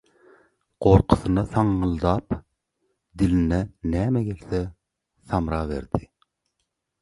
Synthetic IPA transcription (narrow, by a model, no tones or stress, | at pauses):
qoɾqʰʊ̥θɨnɑθɑŋːɯlˠd̪ɑːp | d̪ilinɛnæːmɛɡʲelθɛ | θɑmɾɑːvḛɾd̪ɪ